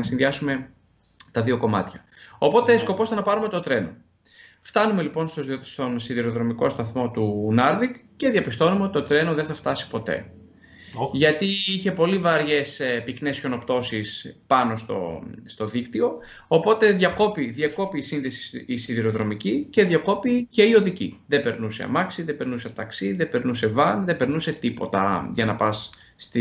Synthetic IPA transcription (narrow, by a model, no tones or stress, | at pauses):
nɐsinðiɐsume̞ | t̪ɐðio̞ko̞mɐ̰t̪çɐ | o̞po̞t̪e̞sko̞po̞st̪enɐpɐɾume̞t̪o̞t̪ɾe̞no̞̰ | ft̪ɐnume̞lipo̞nst̪ost̪o̞nsiðiɾo̞ðɾo̞miko̞st̪ɐθmo̞t̪unɐɾðikce̞ðijɐpist̪o̞numeo̞t̪i̥t̪o̞t̪ɾe̞noðenθɐft̪ɐsi̥po̞t̪e̞̰ | ʝɐt̪iiçe̞po̞livɐɾʝe̞spikne̞sço̞no̞pt̪o̞sispɐno̞st̪o̞̰st̪o̞ðikt̪io̞ | opo̞t̪e̞ðʝɐko̞piðʝɐko̞piːsinðesi̥sisiðiɾo̞ðɾo̞micice̞ðʝɐko̞pice̞io̞ðicḭðe̞be̞ɾnuse̞̰ɐ̰mɐksiðebe̞ɾnuseɐt̪ɐksiðebe̞ɾnuse̞vɐnðe̞be̞ɾnuse̞t̪ipo̞t̪ɐ̰ʝɐnɐpɐsː | t̪i